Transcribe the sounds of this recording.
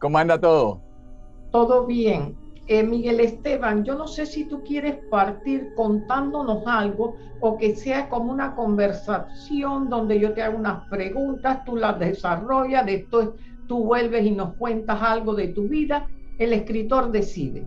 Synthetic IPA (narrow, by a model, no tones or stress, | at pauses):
komãnd̪at̪oðo | t̪o̞ðo̞βje̞ŋemiɣe̞le̞st̪e̞βaŋd͡ʒo̞no̞se̞sit̪ukje̞ɾe̞spaɾt̪iɾko̞nt̪and̪o̞no̞salɣo̞ː | ke̞se̞ako̞mounako̞mbe̞ɾsasjo̞nd̪o̞nd̪e̞ʝo̞t̪eaɣounaspɾe̞ɣunt̪ast̪ulazðe̞saro̞ʝaðe̞spwe̞s | t̪uβwe̞lβe̞sino̞skwe̞nt̪asalɣo̞ðe̞t̪uβiðae̞le̞skɾit̪o̞ɾðe̞sḭðe̞̰